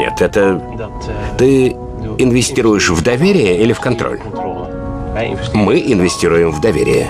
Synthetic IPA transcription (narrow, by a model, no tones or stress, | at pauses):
nʲḛt̪ʰɛt̪ə | t̪ɨ | ɪnvʲɪsʲtʲiɾʊjɪʂvd̪ɐvʲeɾʲɪjəilʲɪfkɐnt̪ɾo̰lʲ | mɨʔɪnvʲɪsʲtʲiɾʊjɪmvd̪ɐvʲḛɾʲɪ̰jə̰